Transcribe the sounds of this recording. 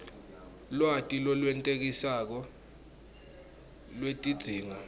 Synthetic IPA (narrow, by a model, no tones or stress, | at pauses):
lwatʼilɔlwɛntʼek̬isak̬ɔ | lwetʼid̥z̥ʱiːŋa